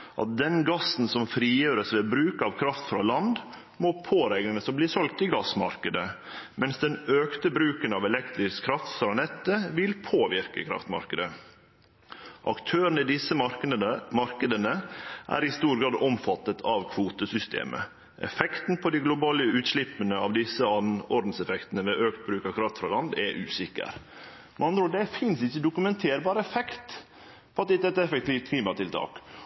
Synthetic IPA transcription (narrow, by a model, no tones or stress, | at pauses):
ʔɑ̰t̪̚d̪ɛnɡɑsːn̩sɔmfɾiːjøːɾəsʋɛbɾʉːkɑʋkʰɾɑft̪fɾɑlɑnd̪ | mopʰoːɾɛɡ̪ənəsɔbliːsɔlk̚t̪ɪɡɑsmɑ̰ɾkəd̪ə | mɛnsd̪ɛnøːkt̪əbɾʉːkənɑʋɛlɛkt̪ɾɪskʰɾɑft̪fɾɑnɛt̪ːəʋɪlpʰoːʋɪɾkəkʰɾɑ̰ft̪mɑ̰ɾkəd̪ə | ʔɑkt̪ʰøːɾənəɪd̪ɪsə | mɑɾkəd̪ənəʔæ̰ɾɪst̪uːɾɡɾɑːd̪ɔmfɑt̪ːət̪ʰɑʋkʰʋuːt̪əsʏst̪ʰḛːmʔə̰ | ʔɛ̰fɛkt̪n̩pʰɔd̪iɪɡlʊbɑːləʉːt̪ʃlɪpːənəɑʋd̪ɪsːəɑnɔɾd̪n̩sɛfɛkt̪ən̩əʋɛʔøːkt̪̚bɾʉːkɑʋkʰɾɑft̪fɾɑlɑnd̪ɛʔʉːsɪkːə̰ɾ | mɑnd̪ɾoːd̪ɛfɪnsɪçːəd̪ʊkʉmɛnt̪ʰeːɾbɑːɾəɛfɛkt̪ | pʰɔɑt̪̚d̪ɛt̪ːɛt̪ːɛfɛk̚t̪ʰiːft̪̚kʰliːmɑt̪ʰɪlt̪ʰɑ̰ːk